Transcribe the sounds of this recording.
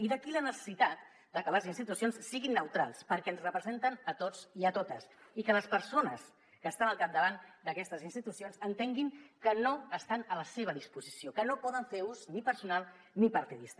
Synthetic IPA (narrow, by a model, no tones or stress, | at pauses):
iðəkilənəsə̥sit̪at̪̚ | d̪əkələzinst̪it̪usionsːiɣinːəwt̪ɾalˠspəɾkɛənzrəpɾəzent̪ənət̪ot͡siət̪ot̪əsikələspəɾsonəs | kəːst̪anəlˠkap̚d̪əβ̞and̪əkɛst̪əzinst̪it̪usionzənt̪eŋɡiŋkənoəst̪anələseβ̞əðispuzisiokənopɔðəɱfeuznipəɾsunalˠ | nipəɾt̪iðist̪ə